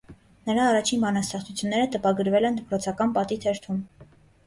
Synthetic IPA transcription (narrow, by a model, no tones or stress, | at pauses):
nəɾɑːrɑt͡ʃʰinbɑnɑst̪ɛχt͡sʰut͡sʰjunːɛɾət̪əpɑɡəɾvɛlɛnd̪əpɾɔt͡sʰɑkɑnpɑt̪it̪ʰɛɾt̪ʰum